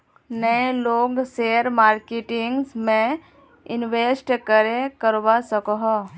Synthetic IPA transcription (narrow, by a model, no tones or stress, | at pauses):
nəeloːɡseəɾmaːɾkeʈɪŋɡsmẽ | ɪnʋesʈkəɾekəɾbasəkɦɔ